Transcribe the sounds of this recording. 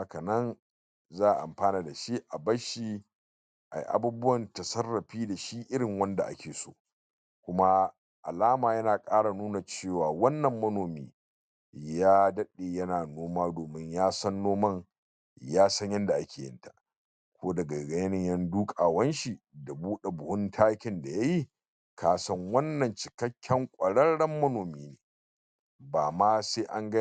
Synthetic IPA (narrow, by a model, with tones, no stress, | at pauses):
ha˦kɐ˨nɐ˦n | zaː˦˨ʔʔa̰˨mɸaː˦naː˨da˨ʃi˦ʔa˨bɐ˦ʃi˦ | ʔa̰˨jʔa̰˨buː˦bʊ˦wɐ˨ntɐ˨sɐ˦rːɐ˨ɸiː˦da˨ʃi˦ʔɪ˦ɽɪ˨ŋwɐ˦nda̰˨ʔa̰˦kʲʰeː˨so̰ː˦ | kʷʊ˦ma˦ | ʔa̰˨laː˦maː˨jɐ˦naː˨kʼaː˦ɽa˨nuː˦na˨t͡ʃeː˦˨waː˨wɐ˦nːɐ˨mːɐ˦noː˨miː˦ | jaː˦dɐ˦ɗeː˨jɐ˦naː˨noː˦maː˦doː˨mɪ˦ɲjaː˦sɐ˦nːoː˦mɐ˦ŋ | jaː˦sɐ˦ɲjɐ˦nda˨ʔa˦kʲeː˨jɪ̰˦ntḁ˨ʔ | kʷʰoː˦dɐ˨ɡa˨ɡɐ˦jɐ˦nɪ˨ɲjɐ˦nduː˦kʼaː˨wɐ˦nʃi˨da˨buː˦ɗe˨bʊ˨hʊ˦ntʰaː˦kʲɪ˨nda˨ja˦ji˦ | kʰaː˨sɐ˦ŋwɐ˦nːɐ˨nt͡ʃɪ̥˨kɐ˦kʲʰːɛ˦ŋkʷʼɐ˨ɽɐ˦ɽɐ˦mːɐ˦noː˨miː˦neː˨ | baː˨maː˦seː˦ʔa˦ŋɡɐ˦